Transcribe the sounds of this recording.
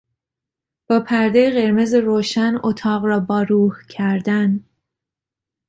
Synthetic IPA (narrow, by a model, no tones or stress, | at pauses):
b̥ɒːpʰæɾd̪ejeɣe̞ɾmezeɾoːʃænot̪ʰɒːɣɾɒːbɒːɾuːhcʰæɾd̪æn